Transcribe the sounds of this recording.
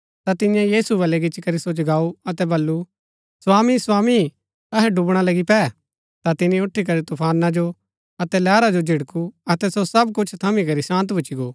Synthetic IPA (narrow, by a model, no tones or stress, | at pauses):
t̪at̪ɪ̃jãjiːsubɐlɛɡɪt͡ʃikɐɾisod͡ʒɡaːuɐt̪ɛbɐlːu | swaːmiswaːmi | ɐɦɛɖʊbɽ̃alɐɡipɛː | t̪at̪ɪniʊʈʰːik̬ɐɾit̪ʊpʰaːnad͡ʒo | ɐt̪ɛlɛːɾad͡ʒod͡ʒʱɪɽkuɐt̪ɛsosɐbkʊt͡ʃʰt̪ʰɐmikɐɾisãːnt̪bɐt͡ʃiɡoː